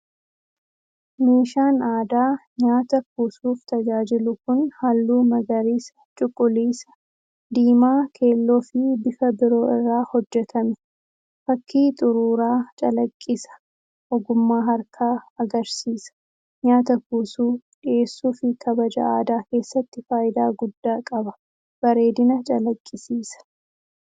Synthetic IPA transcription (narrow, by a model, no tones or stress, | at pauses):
miːʃaːnaːd̪aːɲaːt̪ɐkuːsuːft̪ɐd͡ʒaːd͡ʒɪlʊkʊnhalːuːmɐɡɐɾiːsɐt͡ʃʼʊkʼːʊliːsɐ̥ | d̪iːmaːkʰe̞ːlːo̞ːfɪbɪfɐbɪɾo̞ːɪrːaːhɔd͡ʒːɛt̪ʰɐmɛ̥ | fɐkʰːiːt̪ʼʊɾuːɾaːt͡ʃʼɐlɐkʼːɪsɐ̥ | ʔɔɡʊmːaːɦɐɾkʰaːɐɡɐɾsiːsɐ̥ | ɲaːt̪ɐkuːsuːᶑɪeːsːuːfɪkʰɐbɐd͡ʒɐ̰ʔaːd̪aːke̞ːsːɐt̪ːɪfaːjɪd̪aːɡʊd̪ːaːkʼɐbɐ | b̥ɐɾe̞ːd̪ɪnɐt͡ʃʼɐlɐkʼːɪsiːsɐ̥